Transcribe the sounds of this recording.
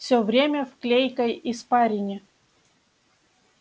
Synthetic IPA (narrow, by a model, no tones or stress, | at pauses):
fsʲovɾʲemʲəfklʲejkəjɪspaɾʲɪnʲɪ